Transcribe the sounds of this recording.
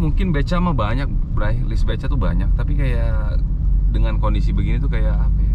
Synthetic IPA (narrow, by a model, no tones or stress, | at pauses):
muŋkɪnbet͡ʃamahbaɲak̚bəɾalɪsbat͡ʃat̪ubaɲak̚t̪apikaja | dəŋankondisibəɡinit̪ukajaapa